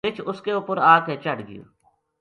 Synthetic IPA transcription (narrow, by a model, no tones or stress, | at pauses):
ɪt͡ʃʰʊskeʊpəɾaːket͡ʃəɽɡɪ̰jo̰ː